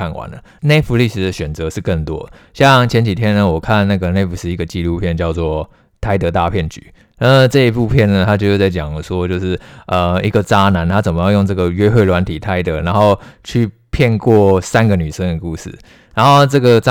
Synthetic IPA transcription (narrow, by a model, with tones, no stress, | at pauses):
a˥˩nwa̰˨˦nd̪ə˨˩˨ne˥˧ɪfu˧˦li˥˩ʂɻ̩˨˩d̪ə˨˩ɕɥɛ˨˩nt͡sɤ˧˦ʂɻ̩˥˧kə˥˩nt̪wɔ̰˦˨ɕjɑ˥˨ŋt͡ɕʰjɛ˧˦nt͡ɕi˨˩t̪ʰjɛ˥nə˨wɔ˨˩kʰa˥˧nna˥˩ɡə˩ne˥˧ɪfu˧˥ʂ̩˥˩i˧˥ɡə˨t͡ɕi˥˧lu˥˧pʰjɛ˥˧nt͡ɕjɑ˥˧ʊt͡swɔ˥˩ | t̪ʰa˥ɪt̪ɤ˧˥t̪a˥˧pʰjɛ˥˩nt͡ɕy̰˨˦ | na˥˧ʈ͡ʂɤ˥˧i˧˥pu˥˧pʰjɛ˥˩nnə˩t̪ʰa˥t͡ɕo˥˧ʊjt͡sa˥˩ɪt͡ɕjɑ˨˩ŋə˨ʂwɔ˥t͡ɕjo˥˧ʊʂɻ̩˥˩ə˨i˧˥ɡə˨t͡sa˥na˧˥˦nt̪ʰa˥t͡sə˨˩nmə˨˦jɑ˥˧jo˥˧ŋʈ͡ʂɤ˥˩ɡə˩ɥɛ˥xwe˥˩ɪlwa˧˥nt̪ʰi˨˩t̪ʰa˥ɪt̪ə˧˦na˧˥nxo˥˧ʊt͡ɕʰy˥˧ | pʰjɛ˥˧nkwɔ˥˩sa˦˥nɡə˨ny˨˩ʂə˥ŋd̪ə˨ku˥˧ʂɻ̩̰˥˩ | na˧˦nxo˥˩˧ʊʈ͡ʂɤ˥˩ɡə˩t͡s